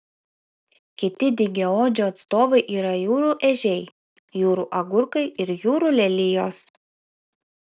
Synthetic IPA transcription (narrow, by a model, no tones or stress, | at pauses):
kʲɪt̪ʲɪd̪ʲɪɡʲɛoːd͡ʒʲoːɐt̪st̪oːʋɐɪʔiːɾɐjuːɾuːˑʔɛʒʲɛɪ | juːɾuːˑʔɐɡʊɾkɐɪɪɾjuːɾuːˑlʲɛlʲɪjoːs